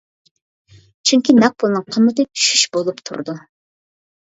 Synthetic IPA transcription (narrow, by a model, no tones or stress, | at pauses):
t͡ʃʰyŋkʲinɛq̚pʰʊlˠnɨŋqʰəmːɨt̪ɨʃyʃbolˠupt̪ʰṵɾd̪u